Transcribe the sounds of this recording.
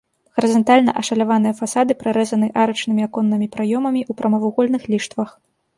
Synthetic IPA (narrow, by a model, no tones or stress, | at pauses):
ɣɐɾɨzɐnt̪alʲnɐ̰ʔɐʂɐlʲavan̪ɨjɐfasad̪ɨpɾaɾɛzɐnɨʔaɾɐt͡ʂnɨmʲiakɔnːɨmʲipɾajɔmɐmʲiʔupɾɐmɐvuɣɔlʲnɨxlʲiʂt̪vɐx